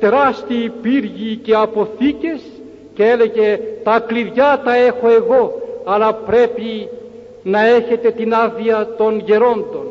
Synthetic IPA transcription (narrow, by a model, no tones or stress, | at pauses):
t̪e̞ɾɐst̪ipiɾʝice̞ɐpo̞θice̞s | ceele̞ʝe̞t̪ɐkliðʝɐt̪ɐe̞xo̞e̞ɣo̞ɐlɐpɾe̞pi | nɐe̞çe̞t̪e̞t̪inɐðiɐt̪o̞nʝe̞ɾo̞nd̪o̞n